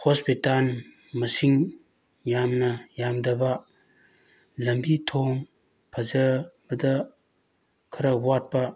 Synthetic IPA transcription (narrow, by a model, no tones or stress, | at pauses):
hospital | mɐsiŋ | jamnɐjamdɐbɐ | lɐmbitʰoŋ | pʰɐzɐbɐdɐ | kʰɐɾɐwat̚pɐ